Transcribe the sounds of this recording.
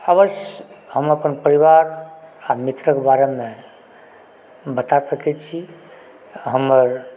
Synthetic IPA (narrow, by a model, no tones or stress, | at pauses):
aʋəʃjɦəməpənpəɾiʋaɾamit̪ɾəkbaɾeme | bət̪asəkɛt͡ʃʰi | ɦəməɾ